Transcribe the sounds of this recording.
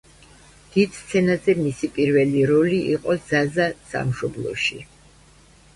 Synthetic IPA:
d̪̥id̪̥st̪sʰɛnazɛmisipʼiɾvɛliɾɔliʔiqʼɔdzazasa̰mʃɔblˠɔ̰ʃi

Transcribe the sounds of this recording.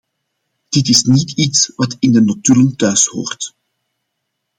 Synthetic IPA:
d̥ɪtɪsnititsʋɑtɪndənotyləntœɥsho̰ːrt

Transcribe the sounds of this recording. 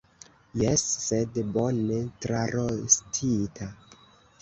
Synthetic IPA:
jesːedbonetɾaɾostʰitʰa

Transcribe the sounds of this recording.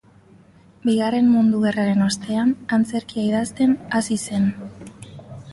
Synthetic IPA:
biɣare̞mmund̪uɣeraɾe̞no̞st̪e̞anant͡se̞ɾkiaiðast̪e̞nasise̞n

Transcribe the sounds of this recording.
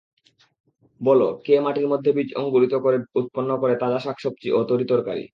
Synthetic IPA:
bɔlokemaʈiɾmod̪ʱːebid͡ʑoŋɡuɾit̪okoɾeut̪̚ponːokoɾet̪ad͡ʑaʃakʃop̚t͡ɕiʔot̪oɾit̪oɾka̰ɾḭ

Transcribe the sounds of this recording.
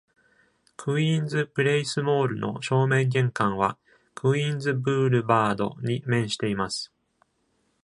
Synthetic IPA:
kʰɯ̟ĩnd͡zɨpɯ̟ɾe̞isɨmo̞ːɾɯ̟no̞̰ɕo̞ːmẽ̞ŋɡʲẽ̞ŋkãɰ̃βa | kʰɯ̟ĩnd͡zɨbɯ̟ːɾɯ̟baːd̪o̞̰ɲ̟imẽ̞ɰ̃ɕi̥t̪e̞imasɨ̥

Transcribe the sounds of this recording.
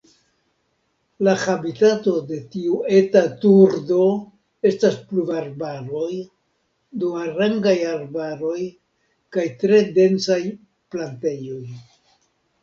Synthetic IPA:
lahabitato̞de̞tiue̞tatuɾdo̞ | e̞stasplubaɾbaɾo̞j | dumaɾaŋɡajaɾbaɾo̞j | kajtɾe̞de̞nt͡saj | plante̞jo̞j

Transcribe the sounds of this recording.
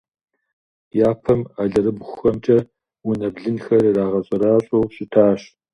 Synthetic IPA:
jaːpʰɐmaɮɐɾɨbʷxɐmt͡ʃʼɐ | ʊnɐbɮɨnxɐrraːʁɐɕʼɐɾaːɕʼowɕʼɪtʰaːɕ

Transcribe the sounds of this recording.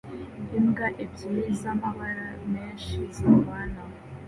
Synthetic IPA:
imɡaʔebɟiizamaβaɾameːnʃizaβaːna

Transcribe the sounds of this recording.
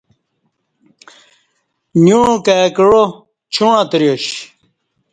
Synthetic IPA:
njuɻkæːkɻo | t͡ɕʰuɳ̃ãt̪ɾjoɕ

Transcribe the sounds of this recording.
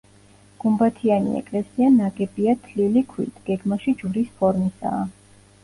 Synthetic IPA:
ɡ̥umbat̪ʰianḭɛ̰kʼlɛsianaɡʼɛbiat̪ʰlilikʰwḭt̪ʰɡ̥ɛɡmaʃid͡ʒuɾispʰɔɾmisa̰ː

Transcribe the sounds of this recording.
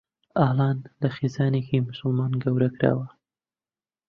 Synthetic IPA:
aːlɑːnlɐxeːzɑːneːkimʊsɨlmɑːnɡɐwɾɐkɾa̰ːwɐ

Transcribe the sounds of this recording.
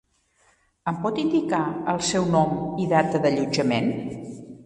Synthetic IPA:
əmpɔt̪ind̪ikaəlˠsɛwnɔmiðat̪əðəʎud͡ʒəmen

